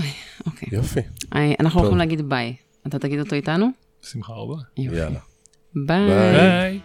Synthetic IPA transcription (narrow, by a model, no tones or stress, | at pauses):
ojokʰejjafiaʔa̰naχnuloximleaɡid̪baj | at̪at̪aɡid̪o̞t̪o̞it̪anu | simχa̰bajojfa̰lia | baaj